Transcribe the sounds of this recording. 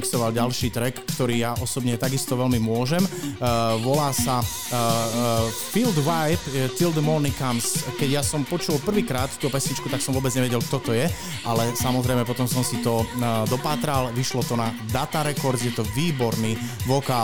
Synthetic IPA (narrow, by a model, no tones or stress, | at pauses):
kst̪ɔʋalɟalʃiːt̪ɾɛkːt̪ɔɾiːjaʔɔsɔbɲɛt̪aɡist̪ɔʋɛlmimʊɔʒɛm | ʋɔlaːsa | fild̪ʋajpt̪ild̪mɔnikamskɛɟjasɔmpɔt͡ʃulpr̩ʋiːkɾaːt̪t̪ːuːpɛsɲit͡ʃkut̪aksɔmʋɔːbɛd͡zɲɛʋjɛɟɛlk̚t̪ɔt̪ɔjɛ | ʔalɛsamɔzɾɛɪmɛpɔt̪ɔmsɔmsit̪ɔd̪ɔpaːt̪ɾalʋiʃlɔt̪ɔna | d̪at̪aɾɛkɔɾzjɛt̪ɔʋiːbɔɾniːʋɔka